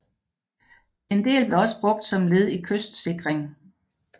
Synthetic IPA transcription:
e̝nd̥e̝̰ːlb̥le̝ɒ̽sə̥b̥ʁɔ̽ɡ̥̚d̥sɒ̽mle̝ð̞ˠikʰøsd̥se̝ɡ̥ʁeŋ

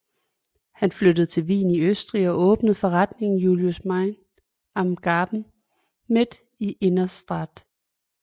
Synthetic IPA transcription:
hænflød̥əð̞̩ˠt͡sʰe̝lʋḭːniøsd̥ʁiɒ̽ʔɔ̽ːb̥nəð̩ˠfɒ̽ʁɑd̥ne̝ŋn̩juljusmɑɪn | ɑ̈mɡ̥ɑːb̥n̩ | me̝d̥ | iʔe̝nɐsd̥ʁɑd̥

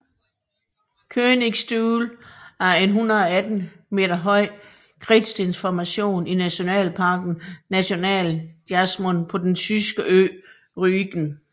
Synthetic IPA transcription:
kʰøːneŋsd̥uːlæɐe̝nɦunɐð̩ˠɒ̽æd̥n̩ | me̝̰ːdɐɦɒ̽ɪ̰ | kʰʁid̥sd̥enfɒmæɕo̝̰ːninæɕo̝nɛ̰ːlpʰɑ̈ɡ̥n̩næɕo̝nɛ̰ːld̥iæsmonpʰɒ̽d̥ent͡sʰysɡ̥əʔø̰ː | ʁyɡ̥n̩

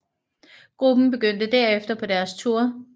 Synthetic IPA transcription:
ɡ̥ʁub̥n̩b̥e̝ɡ̥øn̰d̥əd̥æɐefd̥ɐpʰɒ̽d̥æɐst͡sʰuɐ̰

